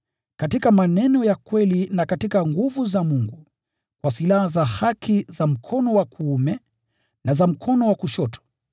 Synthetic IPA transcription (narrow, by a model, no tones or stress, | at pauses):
katikamanɛnɔjakwɛlinakatikaŋɡuvuzamuŋɡu | kwasilahazahakʰizam̩kʰɔnɔwakʰuumɛ | nazam̩kʰɔnɔwakuʃɔtʰɔ̥